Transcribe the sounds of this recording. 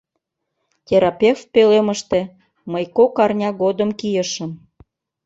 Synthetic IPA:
tʲeɾɑpʲefpeleməʃt̪e | məjkokɑrnʲɑɣod̪əmkijəʃə̆m

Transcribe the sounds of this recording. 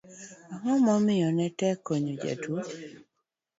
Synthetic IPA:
aŋɔmɔmɪjɔnɛtɛkoɲod͡ʒa̰tʰu

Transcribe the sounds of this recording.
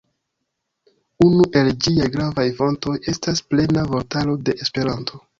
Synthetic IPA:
unuʔe̞ld͡ʒiajɡɾavajfo̞nto̞je̞stasple̞navo̞ɾtalo̞deʔespe̞ɾanto̞

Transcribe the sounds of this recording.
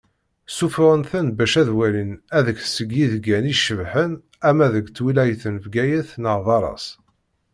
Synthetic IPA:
sufʁənθənbæʃæðwælinæðəkθsəɡːiðɡæniʃəvħən | æmæðəɡt͡sːwilæjθənvɡæjæθnəʁðɑɾˤɑ̰s

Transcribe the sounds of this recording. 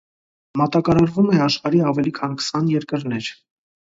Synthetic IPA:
mɑt̪ɑkɑɾɑɾvumɛɑʃχɑɾiɑvɛlikʰɑnkʰə̥sɑnjɛɾkəɾnɛɾ

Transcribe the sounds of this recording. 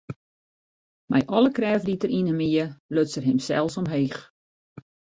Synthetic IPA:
mɛ̰jʔɔləkrɛːvditəɾinəmiəløsərɦɪmsɛ̰lˠsɔmɦeːx

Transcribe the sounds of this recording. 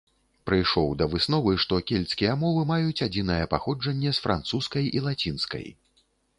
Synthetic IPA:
pɾɨjʂɔwd̪ɐvɨsn̪ɔvɨʂt̪ɔkʲɛlʲt̪skʲijɛmɔvɨmajut͡sʲad͡zʲin̪ɐjɛpaxɔd͡ʐɐnʲːɛsfɾʔa̰nt̪suskɐjilˠat͡sʲinskɐ̰j

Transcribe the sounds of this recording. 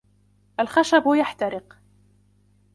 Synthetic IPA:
ʔalxaʃabjaħt̪aɾɪq

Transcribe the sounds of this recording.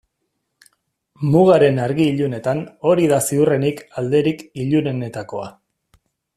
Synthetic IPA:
muɣaɾe̞naɾɣiːʎune̞t̪ano̞ɾiðasiure̞nikald̪e̞ɾikiʎune̞ne̞t̪ako̞a̰

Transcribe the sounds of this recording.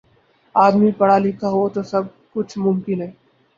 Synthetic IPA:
aːd̪mipɐɽ̤alɪkʰaɦot̪osɐb̚ | kʊt͡ʃʰmʊmkɪnɦɛː

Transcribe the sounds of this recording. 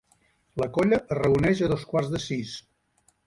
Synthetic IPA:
ləkɔʎəʔːrəunɛʒəðoskwarzðəsis

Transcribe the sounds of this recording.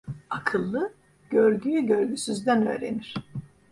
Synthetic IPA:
akʰɯlˠːɯ | ɟ̥øɾɟyjyɟøɾɟysyzd̪ænø̰ːɾe̞̰niɾ̥

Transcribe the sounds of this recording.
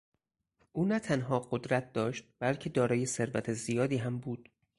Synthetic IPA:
ʔuːnæt̪ʰænɦɒːɢod̪ɾæt̪̚d̪ɒːʃt̪̚b̥ælcʰe̞d̪ɒːɾɒːje̞se̞ɾvæt̪ʰezijɒːd̪iːɦæmbuːd̪̥

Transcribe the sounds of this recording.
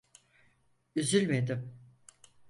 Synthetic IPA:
yzylʲmed̪im

